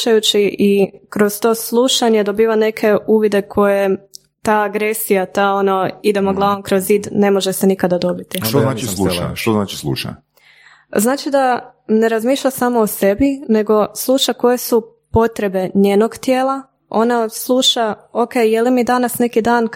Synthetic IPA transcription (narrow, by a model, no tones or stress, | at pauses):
ajut͡ɕiʔikɾo̞zt̪o̞ːslˠuʃaɲe̞d̪o̞biːʋane̞kʰe̞uːʋid̪e̞kʰo̞je | t̪aːɡɾe̞sijat̪aːono̞id̪e̞moɡlˠaʋomkɾo̞ziːd̪ne̞moʒese̞nikad̪ad̪o̞bit̪iʃt̪onaːt͡ʃisluʃʃt̪oznaːt͡ʃi̥slˠṵʃa̰ | znaːt͡ʃid̪ane̞ɾazmiːʃʎasaːmoose̞bine̞ɡo̞slˠuːʃako̞je̞su | po̞t̪ɾe̞be̞ɲeːno̞ɡt̪jeːlˠa | o̞̰naslˠuːʃaokejjelimid̪anasne̞kid̪aːn